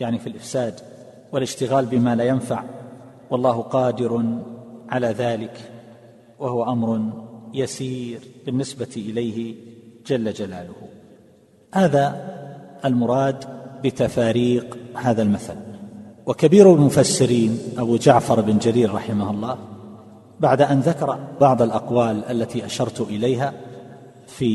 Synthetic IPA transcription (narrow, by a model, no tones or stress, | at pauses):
jaʕnifilʔɪfsaːd̪ | wɪlɪʃt̪ɪɣaːlbɪmaːlaːjanfa̰ʕ | wɑlˤːɑːhqɑːd̪ɪɾ | ʕalaːðaːlɪk | wahʊwaʔamɾˤjasiːɾbɪnːɪsbat̪ʔɪlajhɪd͡ʒalːad͡ʒalaːlʊh | haːða | ʔːlmʊɾˤɑːd̪bɪt̪afaːɾiːqhaːðalmaθalwakabiːɾlmʊfasːɪɾiːnʔabud͡ʒaʕfɑɾˤɪbɪnd͡ʒaliːɾɾˤɑħɪmahʊlˤːɑː | baʕd̪aʔanðakɑɾˤɑbɑʕðˤalʔɑqwaːlʔalːat̪iʔaʃɑɾˤt̪ʔɪlajɦa | fiː